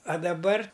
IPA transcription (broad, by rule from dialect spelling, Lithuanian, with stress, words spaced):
ɐ dɐˈbɐr